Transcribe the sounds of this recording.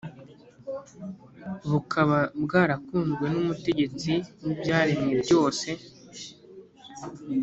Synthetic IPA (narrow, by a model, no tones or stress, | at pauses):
βukʰaβabɡaːɾakuːŋzɡwe̞numute̞ɟe̞t͡sinibjaːɾemŋebɟo̞ːse̞